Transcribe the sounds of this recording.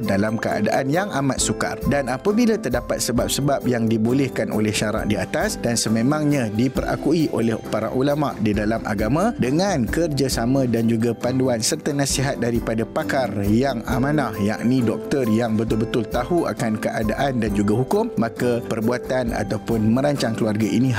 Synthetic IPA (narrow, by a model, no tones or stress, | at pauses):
dalamkəa̰da̰ʔanjaŋamat̪̚suka̰rdanapabilat̪ərdapat̪̚səbap̚səbap̚jaŋdibolɛhkanʔo̰lɛhʃaɾa̰ʔdiat̪asdansəmẽmãŋɲãdipərʔa̰kuiʔo̰lɛhpaɾa̰ʔulama̰ʔdidalamʔa̰ɡamãdəŋãnkərd͡ʒasamãdand͡ʒuɡapanduansərt̪anasiɦat̪̚daɾipadapakarjaŋa̰mãnahja̰ʔnĩdɔk̚t̪ərjaŋbət̪ʊlbət̪ʊlt̪aɦua̰kankəʔadaʔandand͡ʒuɡaɦukʊmːakapərbuat̪ana̰t̪awpʊnmə̃ɾaɲt͡ʃaŋkəluarɡaʔḭnĩ